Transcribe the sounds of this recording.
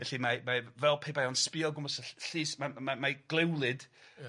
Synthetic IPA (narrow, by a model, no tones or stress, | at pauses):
ɛɬimamavɛlˠpʰeːbajɔnspɪɔlˠɡʊmɔsəɬiːsmamamaɡ̥lˠɛwlˠɨd̥